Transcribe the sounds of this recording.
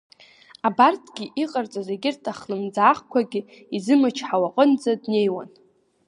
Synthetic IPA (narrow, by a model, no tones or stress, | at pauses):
abartʰɡʲiʔiqʼart͡sʼazeɡʲɪrtʰaχlɨmd͡zaːχkʷaɡʲi | izɨmɨt͡ʃʰħawaqʼənd͡zadne̞jwa̰n